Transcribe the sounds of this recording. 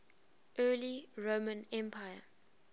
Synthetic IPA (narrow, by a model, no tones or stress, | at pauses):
ʔɜːliɹomə̃nɛ̃mpʰajə